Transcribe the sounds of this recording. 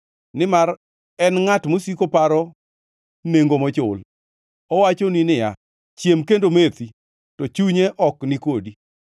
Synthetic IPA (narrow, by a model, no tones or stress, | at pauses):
nɪmaɾ | ɛnŋatmosikopaɾɔ | neŋɡomɔt͡ʃʊl | ɔwat͡ʃoninɪja̰ | t͡ʃjemkendomet̪i | tɔt͡ʃuɲeʔɔknɪkodi